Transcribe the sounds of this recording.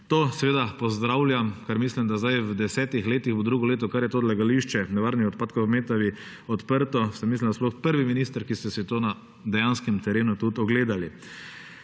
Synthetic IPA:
t̪oːsɛʋeːd̪apɔzd̪ɾawlʲjamkaɾmislimd̪azd̪ajwd̪ɛsɛːt̪ixleːt̪iɣbod̪ɾuːɡɔleːt̪ɔkaɾjɛt̪oːd̪laɡaliʃt͡ʃɛnɛʋaɾnixɔt̪paːt̪kɔwmeːt̪aʋi | ɔt̪pəɾt̪ɔsamislimnd̪asplɔxpəɾʋiminist̪əɾkist̪ɛsit̪oːna | d̪ɛjanskɛmt̪ɛɾeːnut̪ut̪ɔɡleːd̪ali

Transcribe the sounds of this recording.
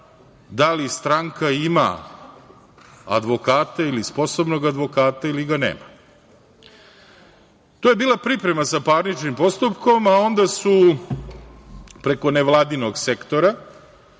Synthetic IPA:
d̪alist̪ɾaŋkaima̰ | a̰d̪ʋo̞kaːt̪ailispo̞sobno̞ɡad̪ʋo̞kaːt̪ailiɡanḛːma̰ | t̪oːje̞biːlˠapɾipɾe̞masapaːɾnit͡ʃnimpo̞st̪upko̞mao̞nd̪asu | pɾe̞ko̞neʋlˠaːd̪ino̞ɡse̞kt̪o̞ɾa

